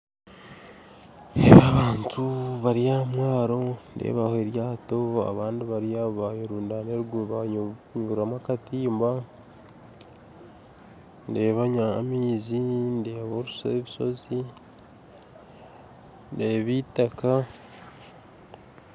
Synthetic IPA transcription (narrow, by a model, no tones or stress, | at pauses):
eβaβaːntuβaɾiamwaːɾo̞ndḛːβahoeɾjaːto̞a̰βaːndiβaɾiaβoβajoɾuːndaneɾuɡuβaɲuɾamakatiːmba | ndeːβaɲamiːzinde̞ːβoɾuseβiso̞̰zi | ndeβitaka